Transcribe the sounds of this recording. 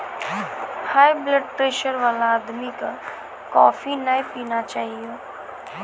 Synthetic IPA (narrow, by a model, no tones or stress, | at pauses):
haːjbləɖ̚pɾeːʃəɾʋaːlaːd̪mika | kɔ̰ːfinajpiːnat͡ʃaːɦieː